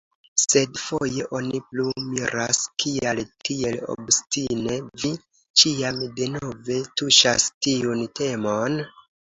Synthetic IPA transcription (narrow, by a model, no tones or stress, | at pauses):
se̞dfoje̞ʔo̞niplumiɾaskʰialtʰie̞lo̞̰bstine̞vi | t͡ʃiamde̞no̞ve̞tuʃa̰stiunte̞mon